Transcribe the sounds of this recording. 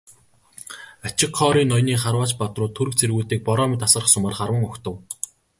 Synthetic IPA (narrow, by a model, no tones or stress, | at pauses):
at͡ɕɪ̆kχɔːɾiːnːɔjniːχarwaːt͡ɕpat̪rʊːt̪ʰːɵɾɘ̆k̚t͡sʰerɣuːt̪iːk̚pɔɾɔːmɪt̪asə̆rə̆χsʊmə̆rχarwə̆ŋɵkt̪ə̆w